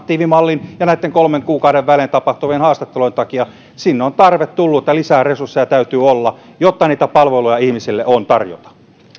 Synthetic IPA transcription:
t̪iːʋimɑlːinjɑnæit̪ːeŋkolmeŋkuːkɑuɾeʋʋælent̪ɑpɑht̪uʋienhɑːst̪ɑt̪ːeloĭnt̪ɑkiɑ | sinːeont̪ɑrʋet̪t̪ulːuːet̪ːælisæːresursːejɑt̪æyt̪yːolːɑ | jot̪ːɑniːt̪æpɑlʋelujɑihmisilːeʔont̪ɑrjo̰t̪ɑ̥

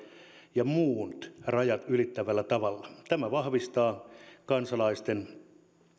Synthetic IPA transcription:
jɑmuːt̪rɑjɑt̪ylit̪ːæʋælːæt̪ɑʋɑlːɑt̪æmæʋɑhʋist̪ɑːkɑnsɑlɑist̪en

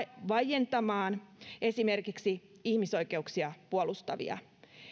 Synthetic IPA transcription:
ʋɑjent̪ɑmɑːne̞sime̞rkiksi | ihmiso̞jke̞uksiɑpuolust̪ɑʋḭɑ̰

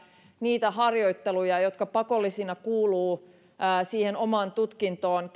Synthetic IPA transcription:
niːt̪æhɑrjoit̪ːelujɑjot̪kɑpɑkolːisinɑkuːluː | siːhenomɑːnt̪ut̪kint̪oːn

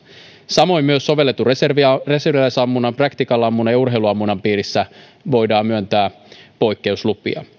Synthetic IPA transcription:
sɑmo̞jmyøsːo̞ʋe̞lːe̞t̪ːureserʋire̞serʋilæsɑmːunɑmprɑkt̪ikɑlːɑmːunɑjɑurɦe̞iluɑmːunɑmpiːɾisːæ | ʋo̞jdɑːmyønt̪æː | po̞jkːe̞uslupˑḭɑ̰

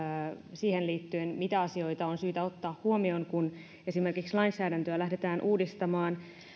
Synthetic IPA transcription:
siːhenliːt̪ːyenmit̪æɑsio̞it̪ɑonsyːt̪æo̞t̪ːɑːhhuomio̞ŋkun | e̞sime̞rkikslɑinsæːdænt̪øælæhdet̪æːnʔuːdist̪ɑmɑːn

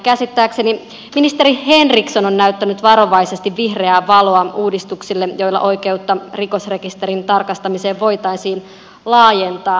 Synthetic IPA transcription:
kæsit̪ːæːkse̞ni | minist̪e̞ɾihe̞nrikso̞nonːæyt̪ːænyt̪ʋɑɾo̞ʋɑise̞st̪iʋʋihreæːʋɑlo̞ɑuːdist̪uksilːejo̞jlːɑ̰ʔo̞ike̞ut̪ːɑriko̞sre̞kist̪e̞ɾint̪ɑrkɑst̪ɑmise̞ːʋʋo̞jt̪ɑinsiːn | lɑːje̞nt̪ɑː

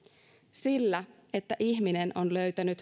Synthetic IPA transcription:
silːæ | et̪ːæʔiçminenʔo̞nlø̞ɥt̪ænyt̪

